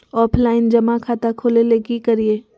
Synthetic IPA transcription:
ɔːpʰlaːɪnd͡ʒɐmakʰaːt̪akʰoːleleːɡikɐɾieː

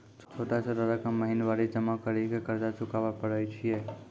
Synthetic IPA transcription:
t͡ʃʰt͡ʃʰoʈat͡ʃʰoʈaɾəkəmːəɦinʋaɾid͡ʒəmakəɾikekəɾd͡ʒat͡ʃʊkaʋapəɽət͡ʃʰie

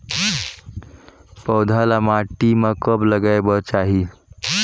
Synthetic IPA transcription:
pəwd̪ʱalamaʈːimakəbləɡajbəɾt͡ʃaɦi

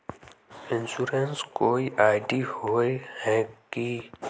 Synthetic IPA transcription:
ɪ̃nsuɾenskoːiʔaːɪɖihoehɛki

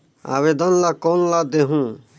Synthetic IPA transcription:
a̰ːʋed̪ənlakoːnlad̪eɦũː

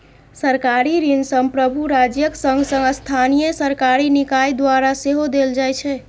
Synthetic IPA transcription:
səɾkaɾiɾinsəmpɾəbʱuɾad͡ʒjəksəŋɡsəŋɡəst̪ʰanijəsəɾkaɾinikajd̪waɾaseɦod̪eld͡ʒajt͡ʃʰɛ

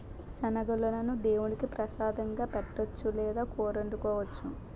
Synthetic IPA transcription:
ʃɐnɐɡulːɐnɐnud̪eːwuɳikipɾɐʃaːd̪ɐŋɡaːpeʈːɐt͡ʃːulɛːd̪aːkɔːɾɐɳɖukɔːʋɐt͡ʃːu

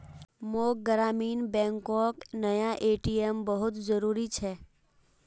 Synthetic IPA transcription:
moːɡəɾaːmiːnbɛ̃ːŋkɔːknɐjaʔeːʈijəmbəɦʊt̪zəɾuːɾit͡ʃʰɛː

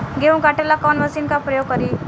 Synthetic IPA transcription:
ɡeũŋkaʈelakɔnʋəsinkapɾəjoɡ̚kəɾi

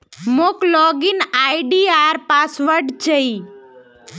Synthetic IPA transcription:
moklɔɡinajɖiaɾpasʋəɾɖt͡ʃəi

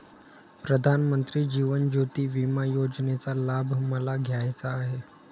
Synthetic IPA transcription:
pɾəd̪ʱanmənt̪ɾiːd͡ʑiːʋənd͡ʑot̪iːʋimajod͡znet͡salabʱməlaɡʱjajt͡saːɦe

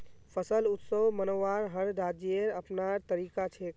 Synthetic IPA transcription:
pʰəsəlut̪səwmənoʋaɾɦəɾɾad͡ʒeɾəpnaɾt̪əɾikat͡ʃʰek

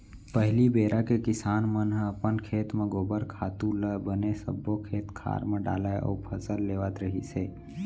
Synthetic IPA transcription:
pəɦlibeːɾʔakekɪsaːnmənɦəpənkʰeːt̪mẽɡoːbəɾkʰaːt̪ũləbənesə̰bːokʰeːt̪kʰa̰ːɾmẽɖa̰ːlaeʔɔ̰ːɾpʰəsəlːeːʋat̪ɾəɦḭseː

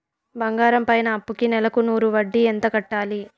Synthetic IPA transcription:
bɐŋɡaːɾɐmpɐjnɐːpːukinɛlɐkunuːɾuʋɐɖːiɛnt̪ɐkɐʈːaːli

